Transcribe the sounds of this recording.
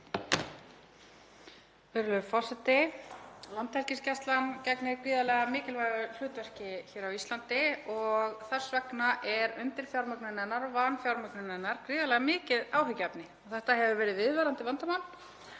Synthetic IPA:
vɪɾlʏɾfɔr̥sɛt̪ɪ | lant̪hɛlcɪscɛst̪lancɛknɪɾkɾiːðalɛɣamɪːcɪlvajɣʏl̥ʏːt̪vɛr̥cɪçɛːɾawislant̪ɪɔɣθar̥svɛknaʔɛɾʏnt̪ɪl̥fjawɾmœknɪnɛnːaɾɔvanfjawɾmœknɪnɛnːaɾ̥kɾiːðalɛɣamɪːcɪðaːwɦʏcːɛpnɪɔɣθɛht̪aɦɛvʏvɛːɾɪðvɪðvaːɾant̪ɪvant̪amawn

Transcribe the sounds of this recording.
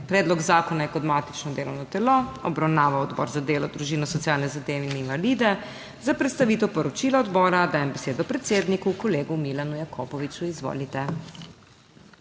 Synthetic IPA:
pɾɛːd̪lɔɡzaːkɔnajɛkɔd̪maːt̪it͡ʃnɔd̪eːlɔwnɔt̪ɛloɔbɾawnaːʋaɔd̪bɔ̰ːɾzad̪eːlɔd̪ɾuʒiːnɔsɔt̪sjaːlnɛzad̪eːʋɛininvaliːd̪ɛ | zapɾɛt̪st̪aʋiːt̪ɛwpɔɾɔt͡ʃiːlaɔd̪bɔːɾad̪aːjɛmbɛseːd̪ɔpɾɛt̪seːd̪nikukɔleːɡumilanujakʰopɔʋit͡ʃuizʋo̰ːlit̪ɛ

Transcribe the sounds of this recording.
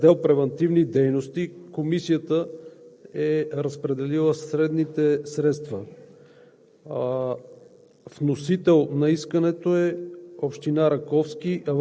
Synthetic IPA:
d̪ɛlˠpɾɛvɛnt̪ivnid̪ɛjnost̪ikomisijət̪ə | ɛɾəspɾɛd̪ɛlilˠəsɾɛd̪nit̪ɛsɾɛt̪st̪və | vnosit̪ɛlˠnɐiskənɛt̪oɛopʃt̪inaɾɐkɔfsk̟iʔɐv

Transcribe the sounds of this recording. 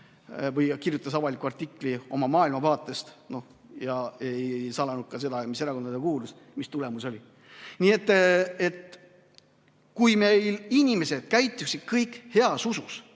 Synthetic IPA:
vɤjkirjut̪ːˑɑsɑvɑlikːˑuɑrt̪ːiklio̞̰mɑmɑːilmɑvɑːt̪ˑːest̪no̞h | jɑejsɑlɑnud̪̥̚kɑse̞d̪ɑmise̞ɾɑko̞nɑd̪ekuːlus | mist̪ule̞muso̞lʲi | nie̞t̪ːe̞t̪ | kujme̞jlinʲime̞se̞d̪̥kæjt̪ːˑusid̪̥̚kɤjkhe̞ɑsusus

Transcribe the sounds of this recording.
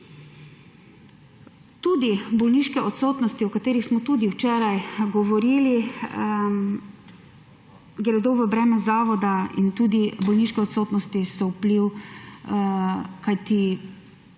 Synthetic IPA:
t̪uːd̪ibɔlniʃkɛɔt̪soːt̪nɔst̪iɔkat̪eːɾixsmɔt̪uːd̪iwt͡ʃɛːɾajɡɔʋɔɾiːli | ɡɾɛd̪oʋəbɾɛːmɛzaːʋɔd̪aḭnt̪uːd̪ibɔlniːʃkɛɔt̪soːt̪nɔst̪isɔwpliw | kajt̪i

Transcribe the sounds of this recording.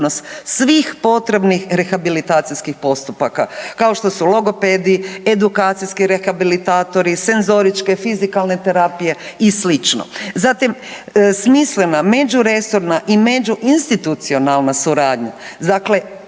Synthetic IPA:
nost̪sʋiːxpo̞t̪ɾe̞bnixɾe̞xabilit̪aːt̪sijskixpo̞st̪upaka̰kao̞ʃt̪o̞sulˠo̞ɡo̞ped̪ie̞d̪ukaːt̪sijskiɾexabilit̪aːt̪o̞ɾise̞nzo̞ɾit͡ʃke̞fizikalˠne̞t̪e̞ɾapije̞islit͡ʃno̰zat̪imsmislename̞d͡ʒuɾe̞soɾnaʔime̞d͡ʒuʔinst̪it̪ut̪sio̞nalˠnasuɾaːd̪ɲa̰zakle̞

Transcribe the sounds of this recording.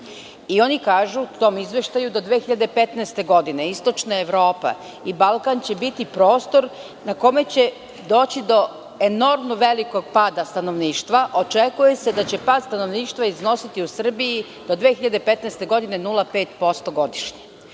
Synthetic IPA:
io̞nikaːʒuut̪o̞ːmizʋe̞ʃt̪ajud̪o̞d̪ʋeːxiʎad̪e̞pe̞t̪nest̪e̞ɡo̞d̪ine̞ist̪o̞t͡ʃnae̞ʋɾo̞ːpa̰ | ibalˠkant͡ɕe̞bit̪ipɾo̞ːst̪o̞ɾ | nako̞me̞t͡ɕe̞ | d̪o̞ːt͡ɕid̪o̞ | eno̞ɾmnuʋe̞liko̞ɡ̚paːd̪ast̪ano̞ʋniːʃt̪ʋaʔo̞t͡ʃekuje̞sed̪at͡ɕe̞paːd̪st̪ano̞ʋniːʃt̪ʋaizno̞sit̪iusr̩biji | d̪̥o̞d̪ʋeːxiʎad̪e̞pe̞t̪nɛst̪e̞ɡo̞d̪ine̞nulˠape̞ːt̪po̞st̪o̞ɡo̞d̪iʃɲe

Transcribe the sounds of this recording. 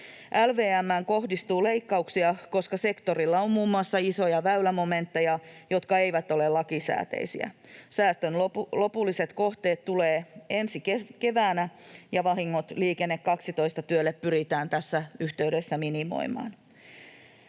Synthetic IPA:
ʔælʋeːæmːæŋko̞hdist̪uːleikːɑuksiɑko̞skɑse̞kt̪orilːɑommuːmːuɑsːɑiso̞jɑʋæylæmomẽnt̪ːejɑjo̞t̪kɑeiʋæt̪o̞lelːɑkisæ̰ːt̪ḛisḭæ̰sæːst̪ønlolo̞pulːiset̪ko̞ht̪eːt̪t̪uleːensikeke̞ʋæːnæjɑʋɑɦiŋːot̪liːkenːekkɑksit̪o̞ist̪ɑt̪yølːeppyɾit̪æːnt̪æsːæyht̪eyɾesːæminimo̰imɑ̰ːn

